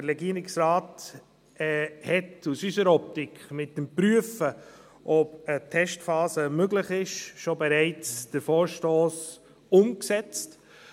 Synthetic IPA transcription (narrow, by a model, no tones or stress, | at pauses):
əɾɾɛɡiəɾɪksɾaːtː | hɛtusysəɾɔp̚tɪkχmɪt̚dəmpɾyəfə | ʔɔpətʰɛʃtfɑːsəmøɡlɪχɪʃʃobɛɾɛɪt͡sd̥əɾfoːɾʃtoːs | ʊmksɛt͡st